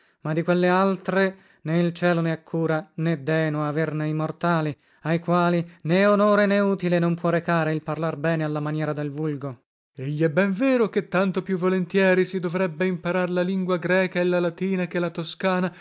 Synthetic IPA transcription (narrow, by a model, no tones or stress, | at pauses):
mad̪ikwelːealt̪ɾe | nɛilt͡ʃɛːlonɛakʰːuːɾanɛd̪ɛːnoaːverneimort̪aːli | ajkwaːlinɛonoːɾenɛuːt̪ilenompwɔrekaːɾeilparlarbɛːnealːamanjɛːɾad̪elvulɡo | eʎːiɛbːɛɱveːɾoket̪ːant̪opjuvːolent̪jɛːɾisid̪ovɾɛbːeimpaɾaɾlaliŋɡwaɡɾɛːkaelalat̪iːnakelat̪oskaːna